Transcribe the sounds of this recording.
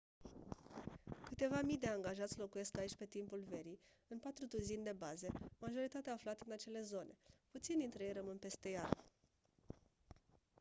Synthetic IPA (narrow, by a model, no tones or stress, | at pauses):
kɨt̪e̞vamid̪e̞aŋɡaʒat̪sʲlo̞kuje̞skait͡ʃʲpe̞t̪impulve̞ɾi | ɨnpat̪ɾut̪uzind̪e̞baze̞maʒo̞ɾit̪at̪eaːflat̪ɨnat͡ʃe̞le̞zo̞nʔe̞put̪sind̪int̪ɾeje̞jrəmɨnpe̞st̪e̞jal